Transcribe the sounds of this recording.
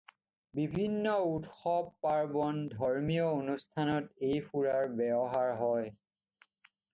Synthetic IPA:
bibʱinːɔutxɔbːaɹbɔndʱɔɹmiɔonustʰanɔtejpʰuɹaɹbɛbɔɦaɹɦɔj

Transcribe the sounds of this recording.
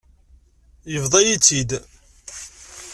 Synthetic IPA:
jəvðˤɑjit͡sːid̪

